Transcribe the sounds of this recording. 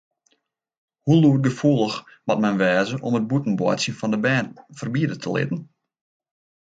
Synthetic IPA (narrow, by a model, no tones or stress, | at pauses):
huluət̚ɡəfuəlˠəxmɔt̚mɛnʋɛːzəʔɔmət̚butn̩bwɔ̰jtsjənfɔndəbɛːfərbiədətʰəlɪ̰tən̩